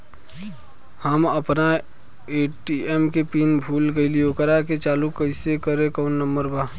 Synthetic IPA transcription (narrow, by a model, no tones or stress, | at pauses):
həməpna | eːʈiɛmkepiːnbʱuːlɡəɪlijokəɾaket͡ʃaːlukəɪsekəɾẽkɔːnːəmbəɾbaː